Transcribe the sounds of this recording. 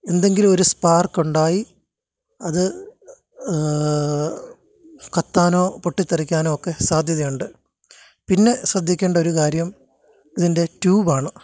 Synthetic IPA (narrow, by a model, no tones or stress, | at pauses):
e̞nd̪e̞ŋɡilumo̞ɾuspaːrkːuɳɖaːji | ɐðɨ | kɐt̪ːaːno̞ːpoʈːit̪ːɐrik̬ʲːaːno̞ːokːe̞saːd̪ʱjɐðɐjuɳɖɨ | pinːe̞srɐd̪ʱːikʲːeːɳɖɐo̞ɾukaːɾjɐm | iðinde̞tuːbaːɳɨ